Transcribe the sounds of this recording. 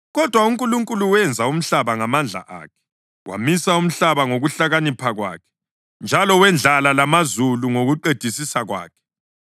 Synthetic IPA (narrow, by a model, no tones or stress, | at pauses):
ɣɔd̥ʱwauŋkʼuluŋkʼuluwɛnd͡zʱaum̩ɬaβaŋamand͡ɮʱa̰ʔa̰ːkʰɛ̥ | wʔa̰misaum̩ɬaβaŋoɣuɬaɣanipʰaɣwa̰ːkʰɛ̥ | nd͡ʒʱalɔwɛnd͡ɮʱalalamazuluŋoɣuǃed̥ʱisisaɣwa̰ːkʰɛ̥